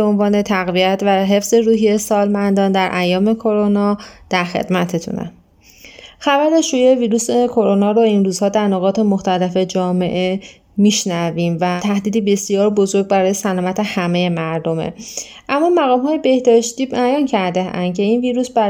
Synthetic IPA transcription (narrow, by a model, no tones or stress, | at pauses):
eo̞nvɒːne̞t̪ʰæɣviæt̪ʰvæɦe̞fz̥e̞ɾuːɦiesɒːlmænd̪ɒːnd̪æɾʔæjːɒːme̞kʰo̞ɾonɒːd̪̥æɾxe̞̰d̪̥mæt̪ʰet̪ʰṵnæ̰ | xævæɾeʃuːjeviːɾuːsekʰo̞ɾonɒːɾoinɾuːzhɒːd̪æɾnoɣɒːt̪ʰe̞moxt̪ʰælefe̞d͡ʒɒːme̞ʔe | miːʃnæviːmvæt̪ʰæhd̪iːd̪iːbe̞sijɒːɾbozo̞ɾɡɟ̚bæɾɒːje̞sælɒːmæt̪ʰe̞hæmeje̞mæɾd̪o̞mḛ | ʔæmːɒmæɣɒːmɦɒːjebe̞hd̪ɒːʃt̪iːbæjɒːncʰæɾd̪eæ̰nd̪cʰe̞iːnviːɾuːsbæ